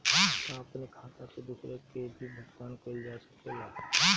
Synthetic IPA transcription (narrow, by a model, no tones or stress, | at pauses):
ɦãt̪aɐpnekʰãːt̪ãked̪usɾekebʱibʱɐɡwaːnkʰoːld͡ʒaːsə̥keɡaːɦã